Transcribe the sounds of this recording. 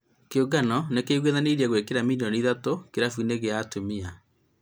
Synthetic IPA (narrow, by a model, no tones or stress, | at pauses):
keoɡanɔnekeiɣweðaneɾiaɣwekeɾamiliɔniðatokeɾafuneɣeaːtomia